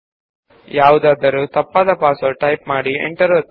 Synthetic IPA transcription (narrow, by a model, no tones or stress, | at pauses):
jaːʋud̪aːd̪ɐɾut̪ɐpːaːd̪ɐpaːsɐʈɐjpmaːɽiḛɳʈɐɾoː